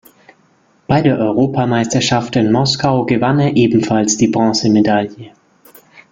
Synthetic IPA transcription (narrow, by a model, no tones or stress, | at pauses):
b̥aɪdeːɐʔɔʏʁoːpʰamaɪstɐʃaftɪnmɔskaʊɡəvaneɐʔeːbm̩falsd̥iːbʁɑ̃ːsəmedaljə